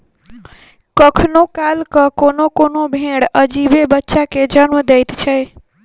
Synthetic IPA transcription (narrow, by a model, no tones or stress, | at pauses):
kəkʰnokalkəkonokonobʱẽɽəd͡ʒibebətːʃaked͡ʒənməd̪ejt̪t͡ʃʰɛj